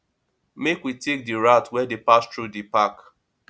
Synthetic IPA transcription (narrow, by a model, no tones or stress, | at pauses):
mekwitek̚diɹatwɛdepastɹudipak